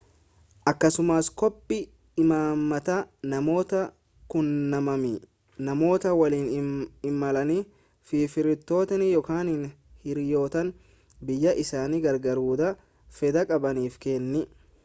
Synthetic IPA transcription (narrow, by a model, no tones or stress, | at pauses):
ʔɐkːɐsʊmaskɔpʼːɪ | ɪmaːmːɐt̪anɐmo̞ːt̪ɐ | kʊnːɐmɐmi | nɐmo̞ːt̪ɐwɐliːnɪmːɐlɐni | fiːfɪɾɪt̪ːo̞ːt̪ɐnɪjɔkaːnɪn | hɪɾjo̞ːt̪ɐn | bɪjːɐʔɪsaːniɡɐɾɡɐɾuːd̪ɐ | fɛd̪ɐkʼɐbɐniːfkeːnːɪ